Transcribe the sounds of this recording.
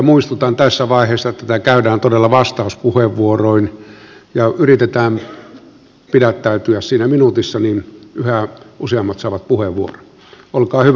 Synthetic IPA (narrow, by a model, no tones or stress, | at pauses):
ɑmuist̪ut̪ɑːnt̪æsːæʋɑˑiheːsːɑet̪ːæt̪ækæydæːnt̪odelːɑʋɑst̪ɑuspuheʋːuoroinjɑyrit̪et̪æːm | pidæt̪ːæyt̪yæssiːnæminut̪isːɑninyhæuseɑmːɑt̪sɑːʋɑt̪̚puheʋːuoro̥ | olkɑːhyʋ